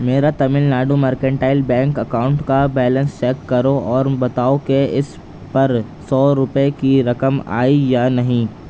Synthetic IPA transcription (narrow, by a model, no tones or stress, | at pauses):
meːɾat̪ɐmɪlnaːɖumɐɾkə̃ɳʈaːɪlbɛ̃ːŋkɐkaːʊ̃ɳʈkabɛːlə̃nst͡ʃɛːkːɐɾoɔːɾbɐt̪aːokeɪs | pɐɾ | sɔːɾʊpekiɾɐkəma̰ːijanɐɦĩː